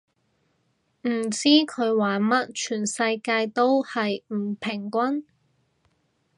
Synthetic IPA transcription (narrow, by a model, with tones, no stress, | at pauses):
m̩˨˩t͡siː˥kʰɵ˨˧ɥwaː˨˥nmɐ˥t̚t͡ʃʰyː˨˩nsɐ˧jkaː˧jt̪o˥whɐ˨jm̩˨˩pʰɪ˨˩ŋkʷɐ˥n